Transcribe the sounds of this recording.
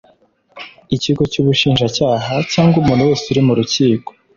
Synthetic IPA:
iciɡo̞cuːβuʃiːnʒacaːɦacaːŋɡumuːn̤uwe̞ːsuɾimuɾuciːko̥

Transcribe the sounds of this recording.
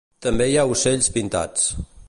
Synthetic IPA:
t̪əmbejauseʎspint̪a̰t͡s

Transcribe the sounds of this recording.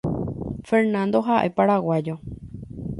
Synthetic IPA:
feɾnãnd̪o̞ɦaʔe̞paɾawad͡ʒo

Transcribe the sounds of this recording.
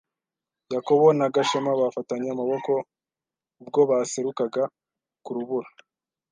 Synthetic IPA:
jako̞βo̞naɡaʃemaβafataɲeamaβo̞ko̞ | b̚ɡo̞βaseɾukaɡa | kuɾuβuɾa

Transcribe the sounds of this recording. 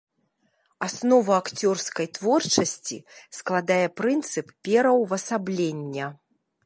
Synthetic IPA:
asnɔvɐakt͡sʲɔrskɐjt̪vɔrt͡ʂɐsʲt͡sʲḭsklˠad̪ajɛpɾɨnt̪sɨppʲɛɾɐwvɐsablʲenʲːɐ

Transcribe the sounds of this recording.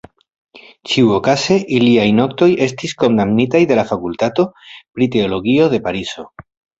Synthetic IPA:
t͡ʃiuo̞kase̞ʔiliajno̞k̚to̞je̞stisko̞ndamnitajde̞lafakultato̞pɾite̞o̞lo̞ɡio̞ðe̞paɾiso

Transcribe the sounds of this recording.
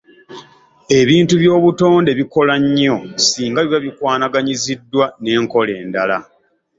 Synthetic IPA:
e̞βiːntuβjo̞ːβuto̞ːnde̞βiko̞laɲːosiːŋɡaβiβaβikwaːnaɡaɲizidːwane̞ːŋko̞le̞ːndala

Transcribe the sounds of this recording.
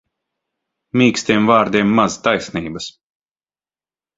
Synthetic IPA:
mʲiːksʲt̪ʲiɛmvaːɾd̪iɛmːazt̪ajsʲniːbɐs

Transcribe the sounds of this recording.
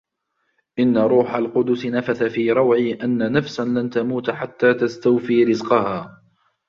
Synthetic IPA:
ʔɪnːaɾˤuːħalqʊd̪ʊsɪnafaθafiːɾˤɑwʕiːʔanːanafsanlant̪amuːt̪ħat̪ːaːt̪ast̪awfiːɾɪzqɑhaː

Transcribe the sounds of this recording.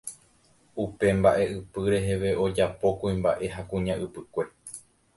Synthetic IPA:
upe̞mbaʔe̞ʔɨpɨɾe̞ɦe̞ʋe̞ʔo̞d͡ʒapo̞kuĩmba̰ʔe̞ɦakũɲãʔɨpɨkʷe̞

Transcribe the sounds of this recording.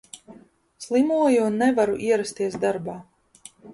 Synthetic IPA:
slˠimuɔjunːɛvaɾuʔiɛɾast̪iɛsd̪aɾbaː

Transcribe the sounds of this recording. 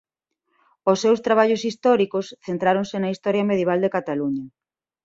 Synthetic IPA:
osːewst̪ɾaβ̞aʎʊsist̪ɔɾikosθent̪ɾaɾõŋsɪnɐist̪ɔɾjɐmeðjeβ̞ald̪ekat̪aluɲɐ

